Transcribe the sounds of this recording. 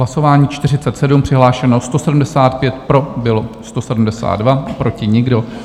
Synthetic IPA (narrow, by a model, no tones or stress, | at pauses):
laso̞vaːɲiːt͡ʃt̪ɪr̝ɪtt͡sɛt̪sɛdumpr̝̥ɪɦlaːʃɛnost̪o̞sɛdum̩dɛsaːt̪̚pjɛt̪pɾo̞bɪlo̞st̪osɛdumdɛsa̰ːd̪dvapɾo̞cɪɲɪɡdo̞